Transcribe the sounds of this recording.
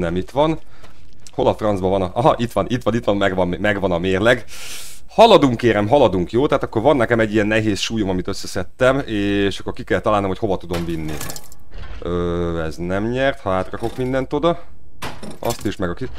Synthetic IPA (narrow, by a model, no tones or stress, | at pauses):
nɛmit̪ʋɒn | ho̞lɒfrɒnzbɒvɒnɒʔɒɦɒʔit̪ʋɒnit̪ːʋɒnit̪ʋɒnmɛɡʋɒmmɛɡʋɒnɒmeːrlɛɡ | hɒlɒd̪uŋkːeːɾɛmɦɒlɒd̪uŋkjoːt̪ɛaɦːt̪ɒkːo̞rvɒnːɛkɛmɛɟːijɛnːɛɦeːsʃuːjomɒmit̪ø̞sːɛsɛt̪ːɛmeːʃɒkːo̞rkikɛlt̪ɒlaːlnomhocho̞vɒt̪ud̪o̞mvinːḭ | øːɛznɛmɲɛrt̪hɒaːt̪rɒko̞kmind̪ɛnt̪od̪ɒ | ɒ̰st̪iʃmɛɡɒki